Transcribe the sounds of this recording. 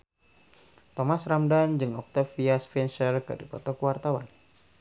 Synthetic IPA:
t̪ɔmasramdand͡ʒɨŋɔk̚t̪afiasfɛnʃərkɨ̰ɾipɔ̰t̪ɔkəwart̪awa̰n

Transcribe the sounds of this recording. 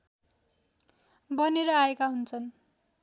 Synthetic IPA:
bʌneɾʌaekaɦunt͡sʰʌn

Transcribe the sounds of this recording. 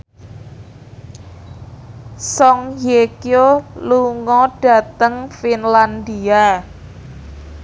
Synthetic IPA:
sɔŋjekijoluŋɔɖ̥a̤t̪əŋfinland̪ia

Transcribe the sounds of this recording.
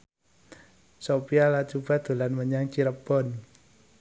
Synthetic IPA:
sopialat͡ʃub̥a̤d̪̥o̤lanməɲaŋt͡ʃiɾəbɔn

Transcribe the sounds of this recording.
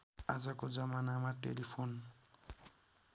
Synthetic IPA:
a̰zakod͡zamanamaɾʈḛlipʰon

